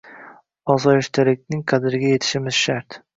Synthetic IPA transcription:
ɒzɒjɪʃt̪ʰalɪk̚ʲnɪŋqʰad̪ɪɾɪɡʲaje̞t̪ʰɪ̥ʃɪmɪz̥ʃaɾt̪

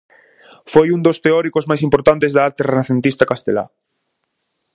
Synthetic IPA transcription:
fojund̪ost̪eɔɾikozmajsimpoɾt̪ant̪ezðaaɾt̪erenaθent̪ist̪akast̪ela̰

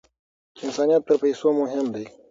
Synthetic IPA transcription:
ɪnsɑːnijɑt̪ːəɾpajsomʊɦɪmd̪ej

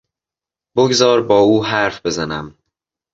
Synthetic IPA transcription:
b̥oɡzɒːɾbɒːuːɦæɾfbe̞zænæm

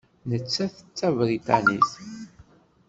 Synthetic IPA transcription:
nət͡sːæθə̥t͡sːævɾit̪ɑniθ

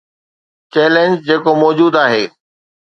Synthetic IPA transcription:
t͡ɕɛːlẽnd͡ʑd͡ʑeːkomɔːd͡ʑuːd̪aːɦeː

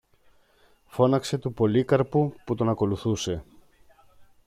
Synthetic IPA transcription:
fo̞nɐkse̞t̪upo̞likɐɾpuput̪o̞nɐko̞luθuse̞

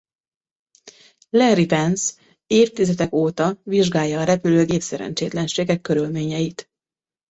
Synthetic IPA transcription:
lɛɾipɛns | eːft̪izɛt̪ɛkoːt̪ɒviʒɡaːjːɒːɾɛpyløːɡeːpsɛɾɛ̰nt͡ʃeːt̪lɛnʃeːɡɛkːø̞ɾylmeːɲɛjit̪

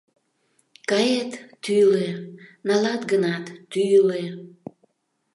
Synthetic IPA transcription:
kɑjet̪ːylenɑlɑt̪ɡənɑt̪ːyjle

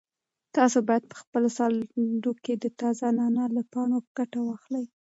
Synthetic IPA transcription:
t̪ɑsobɑjad̪̚pə̥xpəlosɑld̪oked̪ət̪ɑzanɑnalapɑɳopəɡ̥aʈawɑxlaj

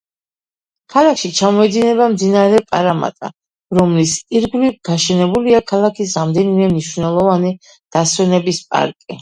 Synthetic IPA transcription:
kʰalˠakʰʃit͡ʃʰamɔɛd̪inɛβamd̪inaɾɛpʼaɾama̰t̪ʼa̰ | ɾɔmlisiɾɡlivɡaʃɛnɛbuliakʰalˠakʰisɾamd̪ɛnimɛmniʃvnɛlˠɔvani | d̪̥aswɛnɛbispʼa̰ɾkʼi

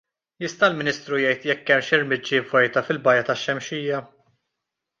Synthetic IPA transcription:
jɪst̪ɐlmɪnɪːst̪ɾujɛjt̪jɛkːɛmʃɪɾmɪd͡ʒːɪvɔjt̪ɐfɪlbɐjɐt̪ɐʃːɛmʃiːjɐ

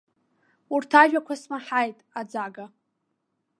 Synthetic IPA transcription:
urtʰaʒᶣakʷʰasmaħajtʼad͡zaɡa

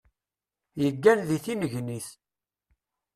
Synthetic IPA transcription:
jəɡːænðiθinəʝniθ

